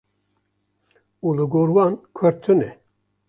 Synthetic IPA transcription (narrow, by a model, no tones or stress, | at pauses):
ulɨɡoːɾwɑnkʰəɾt̪ʰɨnɛ